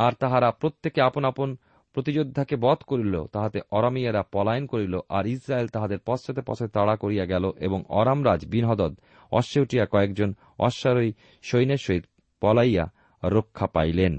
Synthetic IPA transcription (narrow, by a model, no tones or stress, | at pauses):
aɾt̪aɦaɾapɾot̪ːekeaponapon | pɾot̪id͡ʑod̪ʱːakebɔt̪koɾilo̰t̪aɦat̪eʔɔɾamiaɾapɔlajnkoɾiloʔaɾisɾaelt̪aɦad̪eɾpɔst͡ɕʰat̪epɔ̰t͡ɕʰoet̪aɽakoɾijaɡɛloʔḛboŋɔ̰ɾamɾad͡ʑbinɦɔd̪ɔd̪ | ɔ̰ʃeuʈijakɔekd͡ʑon | ɔ̰ʃːaɾoi | ʃojneʃoit̪ | pɔlajja̰ | ɾokʰːapa̰jlen